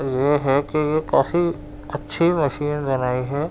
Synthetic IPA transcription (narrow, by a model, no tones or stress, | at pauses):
jeɦɛkijekaːfi | ɐtːʃʰimɐʃiːnbɐnaːiɦɛː